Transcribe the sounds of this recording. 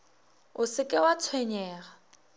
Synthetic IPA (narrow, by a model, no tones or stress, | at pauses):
ʊsɪkʼɪwat͡sʰwɛɲɛːɣa